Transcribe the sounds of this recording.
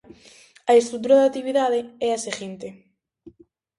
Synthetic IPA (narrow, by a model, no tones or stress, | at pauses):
aest̪ɾut̪̬uɾaðat̪iβiðaðeɛaseɣint̪e